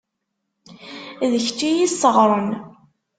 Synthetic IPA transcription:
ðəçt͡ʃːijisəʁɾˤən

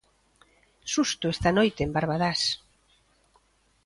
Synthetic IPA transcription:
sust̪ʊest̪anojt̪eːmbaɾβaðas

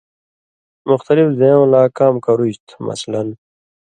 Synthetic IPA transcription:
mʊxt̪ʌlifzẽõlaːkaːmkɐɾuɕt̪ʰmɐ̰slɐn

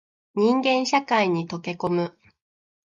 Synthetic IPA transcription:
ɲ̟ĩŋɡẽ̞ɰ̃ɕakaiɲ̟it̪o̞ke̞ko̞mɯ̟

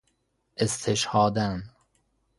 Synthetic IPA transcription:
ʔest̪ʰeʃhɒːd̪æn

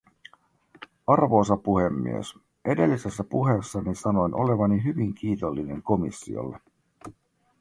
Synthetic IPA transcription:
ɑrʋo̞ːsɑpuhemːḭḛs | ʔede̞lːise̞sːæpuɦe̞sːɑnisɑno̞jnʔo̞̰le̞ʋɑniɦyʋiŋk̟ʰiːt̪o̞lːine̞ŋko̞mḭsːḭo̰lːe

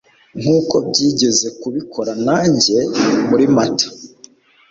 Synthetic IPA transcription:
ŋ̥uːko̞b̚ɟiːɟe̞ze̞kuβikʰo̞ɾanaːɲɟe̞muɾimatḁ

